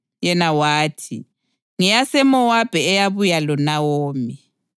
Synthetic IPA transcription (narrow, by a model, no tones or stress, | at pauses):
jɛnawaːtʰi | ŋijasɛmɔwab̥ʱɛːjaβujalɔnawoːmi